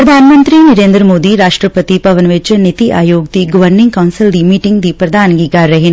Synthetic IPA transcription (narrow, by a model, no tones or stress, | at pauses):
pɾɐd̪ʱaːnmɐ̃nt̪ɾinɐɾeːnd̪ɾəmoːd̪iɾaːʂʈɾəpət̪ipɐʋənʋɪt͡ʃnɪt̪iʔa̰ːjoːɡ̚d̪iɡɔʋəɾnɪ̃ŋɡkaːnsɪld̪imiːʈɪ̃ŋɡd̪iːpɾɐd̪ʱaːnɡiːkaːɾːɐɦɪn